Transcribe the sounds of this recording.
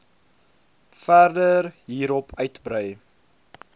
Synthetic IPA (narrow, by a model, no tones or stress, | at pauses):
færdərɦiːɾɔpʰœɥtbɾœj